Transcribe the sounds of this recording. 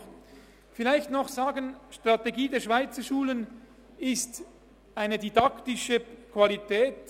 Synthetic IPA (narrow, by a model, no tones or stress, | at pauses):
fɪlaɪçtnɔχz̥aːɡənʃtʁ̥ateɡiːdɛːɐʃv̥aɪt͡sɐʃuːlən | ɪst | aɪnədidɑktɪʃəkʰv̥alitʰɛːt